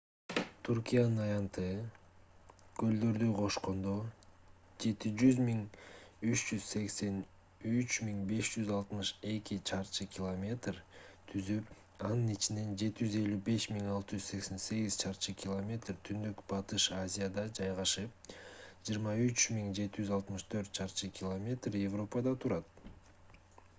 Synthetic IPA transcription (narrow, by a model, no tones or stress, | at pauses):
t̪ʰuɾkʲijanɯnɑjɑnt̪ɯ | ɡ̥ø̞ld̪ø̞ɾd̪yqʰo̞ʃqo̞nd̪o̞ | d͡ʒe̞t̪id͡ʒyzmiŋyt͡ʃd͡ʒyzse̞kse̞n | yt͡ʃmiŋbe̞ʃd͡ʒyzɑlˠt̪mɯʃe̞kʲit͡ʃʰɑɾt͡ʃɯkʲilˠomʲe̞t̪rt̪ʰyzyp | ɑnɯnit͡ʃine̞nd͡ʒe̞t̪id͡ʒyze̞lʲybe̞ʃmiŋɑlˠt̪ɯd͡ʒyzse̞kse̞nse̞ɡiz̥t͡ʃʰɑɾt͡ʃɯkʲʰɪlˠomʲe̞t̪rt̪ʰynd̪ykb̥ɑt̪ɯʃazʲijad̪ɑd͡ʒɑjʁɑʃɯp̚d͡ʒɯɾmɑyt͡ʃmiŋd͡ʒe̞t̪id͡ʒyzɑlˠt̪mɯʃt̪ʰø̞ɾt̪̚t͡ʃʰɑɾt͡ʃɯkʲʰɪlˠomʲe̞t̪rje̞vro̞pəd̪ɑt̪ʰuɾɑt̪̚